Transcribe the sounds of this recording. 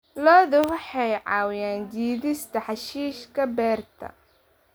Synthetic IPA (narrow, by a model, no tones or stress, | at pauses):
lɔːðʊwɑħɑjʕɑːwjaːnd̪iːðɪst̪ʰɐħɑʃiːʃkʰɐbɛːrt̪ʰɐ̰